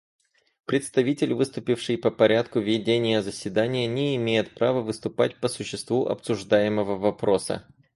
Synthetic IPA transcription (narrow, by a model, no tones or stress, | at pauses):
pɾʲɪt̪st̪ɐvʲitʲɪlʲvɨst̪ʊpʲɪfʂɨjpəpɐɾʲat̪kʊvʲɪdʲenʲɪjəzəsʲvʲɪd̪anʲɪjənʲɪɪmʲejɪt̪̚pɾavəvɨst̪ʊpa̰tʲpəsʊɕːɪst̪vuʔɐ̰psʊʐd̪ajɪməvəvɐpɾo̞sə̰